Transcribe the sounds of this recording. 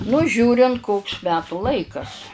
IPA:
nʊ ˈʒʲuːrʲɪnt ˈkoːks ˈmʲæːtuː ˈlˠɐɪkɐs

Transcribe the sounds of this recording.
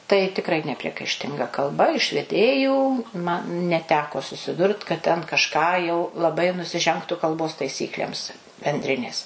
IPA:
tɐɪ tʲɪkˈrɐɪ nʲɛpʲrʲiɛkɐɪʃʲˈtʲɪŋɡɐ kɐlˠˈbɐ ɪʃ ʋʲɛˈdʲeːjuː mɐ nʲɛˈtʲæːkoː sʊsʲɪˈdʊrt kɐt ˈtʲɛn kɐʃˈkɑː jɛʊ lˠɐˈbɐɪ nʊsʲɪˈʒʲɛŋktʊ kɐlˠˈboːs tɐɪˈsʲiːklʲeːms bʲɛnʲˈdʲrʲɪnʲeːs

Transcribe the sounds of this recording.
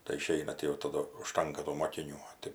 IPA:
tɐɪ ɪˈʃʲɛɪnɐ tʲɪ jɛʊ tɐˈdʊ ʊʃˈtɐŋkɐ tuː moːkʲɪˈnʲuː

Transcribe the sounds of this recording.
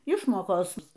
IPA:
ˈɪʃmoːkoːs

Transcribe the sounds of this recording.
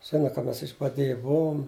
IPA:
ˈʒʲɪnɐ kɐ ˈmʲɛs ɪʒbɐˈdʲeːjɛ ˈbʊʋoːm

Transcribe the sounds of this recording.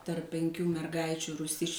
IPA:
tɐrp pʲɛŋʲˈkʲuː mʲɛrˈɡɐɪt͡ʃʲuː ruːˈsʲɪsʲt͡ʃʲuː

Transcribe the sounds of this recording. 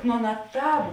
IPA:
nʊ ˈɑːˌnɐ ˈtɑːp

